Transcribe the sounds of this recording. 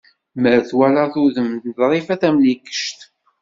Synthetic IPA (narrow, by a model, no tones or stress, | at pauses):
məɾθwælaðʊðəmd̪ðɾˤifæθæmlikːə̥ʃt̪